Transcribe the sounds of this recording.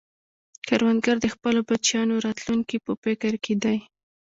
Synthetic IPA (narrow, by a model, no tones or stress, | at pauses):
kaɾwand̪ɡaɾd̪əxpəlobat͡ʃjɑnoɾɑt̪luŋkipəpɪkəɾked̪aj